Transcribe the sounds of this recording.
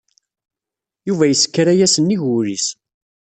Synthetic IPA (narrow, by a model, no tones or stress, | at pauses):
juvæjəsːkːɾæjæsənːiʝʊɾis